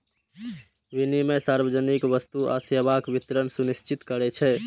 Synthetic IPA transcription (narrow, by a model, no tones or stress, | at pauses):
ʋinimesaɾbəd͡ʒənikʋəst̪ua̰səbakbit̪ɾənsunist͡ʃit̪kəɾɛt͡ʃʰɛ